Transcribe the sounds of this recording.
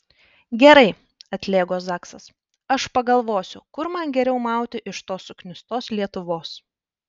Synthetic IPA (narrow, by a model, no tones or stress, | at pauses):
ɡʲɛɾɐɪ | ɐt̪ʲlʲeːɡoːsɑːksɐs | ɐʃpɐɡɐlˠʋoːsʲʊkʊɾmɐnɡʲɛɾʲɛʊmɑˑʊt̪ʲɪʔɪʃt̪oːsʊknʲɪst̪oːslʲiɛt̪ʊʋoːs